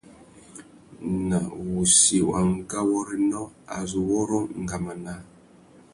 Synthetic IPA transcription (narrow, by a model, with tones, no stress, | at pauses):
na˨wu˨si˨wa˨ŋ̩˦ɡa˦wɔ˦ɾi˦nɔ˦a˨zu˨wɔ˦ɾɔ˦ŋ̩˨ɡa˨ma˨na˦